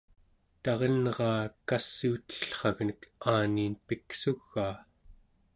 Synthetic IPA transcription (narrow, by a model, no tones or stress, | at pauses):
t̪ɑʁenʁɑːkasːiːt̪ə̥ɬχɑɣnəkʰaːniːnpiksuɣːaː